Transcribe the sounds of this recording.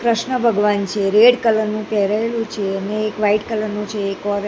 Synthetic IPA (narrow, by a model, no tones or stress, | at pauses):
kɾəʃɳəbʱəɡʋant͡ʃʰeɾeɽkələɾnũkɛɾaelũt͡ʃʰeəneːkʋaiʈkələɾnũt͡ʃʰeːkɔɾ